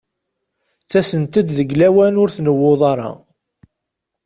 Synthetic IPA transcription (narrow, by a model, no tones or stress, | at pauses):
θæsənt̪əd̪ðəɡlæwænʊɾθnəwːoðˤɑɾˤɑ̰